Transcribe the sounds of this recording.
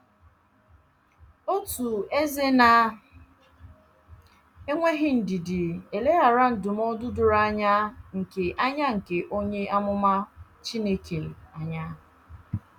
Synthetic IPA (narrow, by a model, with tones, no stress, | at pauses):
o˦tu˨e˦ze˦na˨ | e˦ŋʷe˦ɦɪ˨n̩˨dɪ˨dɪ˨e˨le˦a˨ɾa˦n̩˨dʊ˨m˦ɔ˦dʊ˦dʊ˨ɾa˦ɲa˦ŋ̩˨ke˨ʔa˦ɲa˦ŋ̩˨ke˨ʔo˦ɲe˦ʔa˦mʊ˦ma˦ | t͡ʃi˦ne˦kʰe˨a˨ɲa˦